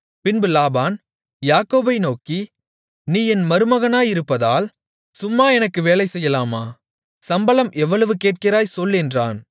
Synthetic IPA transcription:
pɪnbɯlaːbaːn | jaːkoːbɐɪnoːki | niːɛnmɐɾɯmɐɣɐnaːjɪɾɯpːɐðaːl | sʊmːaːɛnɐkːɯʋeːlɐɪsɛjːɐlaːmaː | sɐmbɐlɐmʔɛʋːɐɭɯʋɯkeːʈ̚kɪɾaːjsɔlːɛndraːn

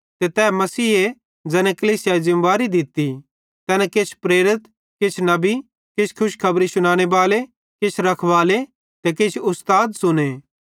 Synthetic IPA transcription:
t̪et̪ɛːmɐsiːe | d͡ʒɛːnɛ̃kɐliːsjazɪ̃mʋaːɾid̪ɪt̪ːi | t̪ɛːnɛ̃kɪt͡ʃʰpɾeːɾɪt̪ | kɪt͡ʃʰnɐbi | kɪt͡ʃʰkʰʊʃkʰɐbɾisʊɽ̃aːɽ̃ebaːle | kɪt͡ʃʰɾɐkʰʋaːle | t̪ekɪt͡ʃʰʊst̪aːd̪sʊneː

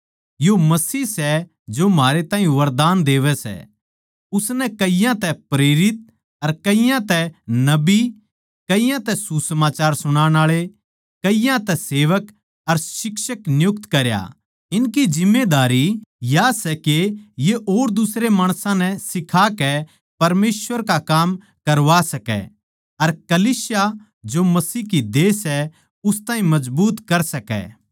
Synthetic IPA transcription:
jomɐsiːsɛ | d͡ʒomɦaːɾet̪ãːĩjũʋɐɾd̪aːnd̪eːʋɛsɛ̰ | ʊsnɛkɐɪjãt̪ɛpɾeːɾɪt̪̚ | ɐɾkɐijãt̪ɛnɐbi | kɐijãt̪ɛsusɐmaːt͡ʃaːɾsʊɽ̃aːɽ̃aːɭe | kɐijãt̪ɛseːʋək | ɐɾʃɪkʃəknɪjʊk̚t̪kɐɾja̰ | ɪnkid͡ʒɪmːed̪aːɾijaːsɛkejeʔoːɾd̪ʊsɾemaːɽ̃sãnɛsɪkʰakɛ | pɐɾmeːsʋəɾkakaːm | kɐɾʋasɐkɛ̰ | ɐɾkɐliːsja | d͡ʒomɐsiːɦkid̪eːsɛ | ʊst̪ãːɦĩmɐd͡ʒbuːt̪kɐɾsɐkɛ̰ː

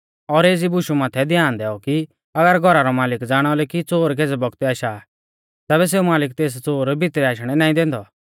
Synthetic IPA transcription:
ɔːɾeːd͡zibʊʃumaːt̪ʰɛd̪ʱjaːnd̪ɛːɔki | ɐɡəɾɡʱɔɾaɾɔmaːlɪkd͡zaːɽ̃ɔlɛkit͡soːɾk̬eːd͡zɛbɔɡt̪iaːʃaː | t̪ɛːβɛs̬eːumaːlɪk̚t̪eːs̬t͡soːɾbʱɪt̪ɾɛaːʃɽ̃ɛnaːĩd̪ɛ̃ːnd̪ɔ

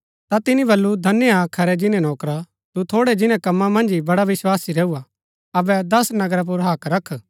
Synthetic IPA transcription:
t̪at̪ɪnĩbɐlːud̪ʱɐnejaːkʰɐɾɛd͡ʒɪnẽnɔːkɾa | t̪ut̪ʰoːɽɛd͡ʒɪnɛ̃kɐmːãmɐ̃nd͡ʒibɐɽaʋɪswaːsiɾeːua | ɐbɛd̪ɐsnɐɡɾap̬ʊɾɦaːkɾɐkʰː

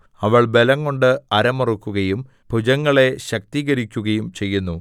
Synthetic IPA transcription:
ɐʋɐɭbe̞lɐŋːo̞ɳɖɨɐɾɐmɐrukːuɣɐjum | bʱud͡ʑɐŋːɐɭe̞ɕɐk̚t̪iːɣɐɾikʲːuɣɐjumt͡ɕe̞jːunːu

